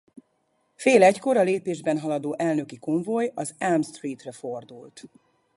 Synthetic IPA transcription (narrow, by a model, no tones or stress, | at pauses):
feːlɛcko̞ɾɒleːpeːʒbɛnɦɒlɒd̪oːʔɛlnø̞kikoɱvojɒzɛlmst̪riːt̪rɛfo̞rd̪ult̪